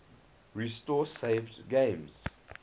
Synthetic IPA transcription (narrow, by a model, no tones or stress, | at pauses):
ɹistɔseɪvdɡẽmz̥